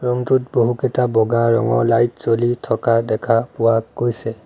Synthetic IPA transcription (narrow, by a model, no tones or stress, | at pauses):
ɹɔŋtutboɦukɛtabɔɡaɹɔ̰ŋɔ̰ɹlajtsolitʰɔkadɛkʰapʊwaɡojsɛ